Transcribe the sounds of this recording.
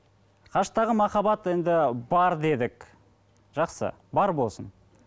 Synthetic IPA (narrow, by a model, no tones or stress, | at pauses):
qʰɑʃt̪ɑʁəmɑχɑbɑt̪e̞nd̪ɪbɑɾd̪e̞d̪ɪk | ʒ̥ɑqsə̰ | bɑɾbo̞lˠsən